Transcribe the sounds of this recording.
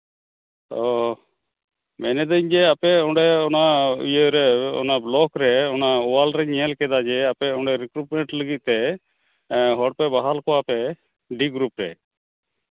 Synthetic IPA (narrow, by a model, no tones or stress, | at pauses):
ɔ | mɛnɛd̪əɲd͡ʒɛapɛɔɖɛɔna̰jəɾɛɔ̰nablɔkɾɛɔnaɔwalɾɛɲiɛlkɛd̪ad͡ʒɛapɛɔɳɖɛɾikɾuʈ̚mɛɳʈləɡit̪̚t̪ɛ | ɦɔɽpɛbaɦalkɔapɛ | ɖiɡɾupɾɛ̰